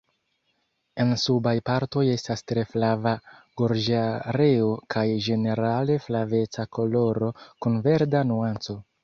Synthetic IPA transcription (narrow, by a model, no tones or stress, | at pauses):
e̞nsubajpaɾto̞je̞stastɾe̞flavaɡ̥o̞ɾd͡ʒaɾe̞okʰajʒe̞ne̞ɾale̞flave̞t͡sako̞lo̞ɾo̞kunve̞ɾdanuant͡so̞